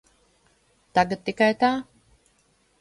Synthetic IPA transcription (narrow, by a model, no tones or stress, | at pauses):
t̪aɡat̪̚ːikajt̪aː